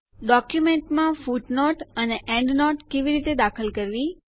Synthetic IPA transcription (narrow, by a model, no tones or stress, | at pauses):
ɖɔkjumeɳʈmãfuʈnɔʈəneʔɛ̃ɳɖnɔʈkeʋiɾit̪ed̪akʰəlkəɾʋi